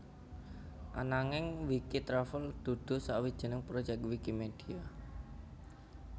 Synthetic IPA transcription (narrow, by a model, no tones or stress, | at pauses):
ʔa̰naŋɪŋwikit̪ɾafəld̪̥ṳd̪̥o̤sawi̥ʒ̥ə̤nəŋpɾod͡ʒɛk̚t̪wikimed̥ia